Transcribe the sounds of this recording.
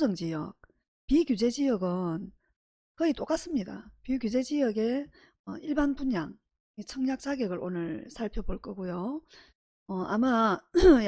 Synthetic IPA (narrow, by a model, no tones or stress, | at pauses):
d͡ʑʌŋd͡ʑijʌ̰k̚ | pikjud͡ʑe̞d͡ʑijʌɡɯn | kɯit͈ok͈as͈ɯmɲida̰pikʲjud͡ʑe̞d͡ʑijʌɡe̞ | ʌiɭbanbuɲa̰ŋ | it͡ɕʰʌŋɲak̚t͡ɕ͈aɡeɡɯɾo̰nɯɭsʰaɭpʰjoboɭk͈ʌɡojo | ʌama